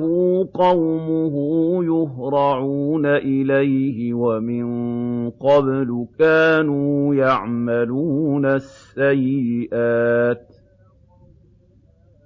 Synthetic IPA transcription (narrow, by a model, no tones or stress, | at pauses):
huːqɑwmʊhʊjʊhɾˤɑʕuːnaʔɪlajhɪwamɪnqɑblʊkaːnuːjaʕmaluːnasːajːɪʔaːt̪